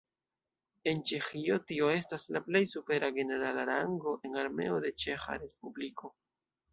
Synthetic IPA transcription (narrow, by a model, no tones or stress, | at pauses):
e̞nt͡ʃe̞xio̞tio̞e̞staslaple̞jsupe̞ɾaɡe̞ne̞ɾalaɾaŋɡo̞ʔe̞naɾme̞̰o̞de̞t͡ʃe̞xa̰ɾe̞spubliko̞